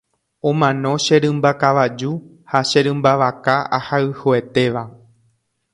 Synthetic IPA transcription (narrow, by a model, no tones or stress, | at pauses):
õ̞mãnõ̞ʃeɾɨ̃mbakaʋad͡ʒu | haʃeɾɨ̃mbaʋakaahaɨhoe̞t̪e̞ʋa